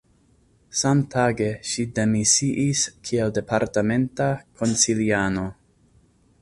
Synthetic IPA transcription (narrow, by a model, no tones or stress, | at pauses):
samtʰaɡeʃidemisiʔiskʰielde̞paɾtame̞ntakʰonsiliano̞